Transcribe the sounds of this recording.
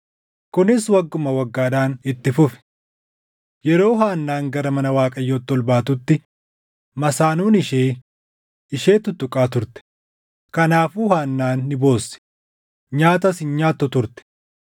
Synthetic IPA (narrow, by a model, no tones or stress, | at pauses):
kʊnɪswɐɡːʊmɐwɐɡːaːd̪aːnɪt̪ːɪfʊfɛ̥ | jɛɾo̞ːɦaːnːaːŋɡɐɾɐmɐnɐwaːkʼɐjːoːt̪ːɔlbaːt̪ʊt̪ːɪ | mɐsaːnuːnɪʃeː | ɪʃe̞ːt̪ʊt̪ːʊkʼaːt̪ʊɾt̪ɛ̥ | kɐnaːfuːhaːnːaːnːɪbo̞ːsɛ̥ | ɲaːt̪ɐsɪnɲaːt̪ːɔt̪ʊɾt̪ɛ̥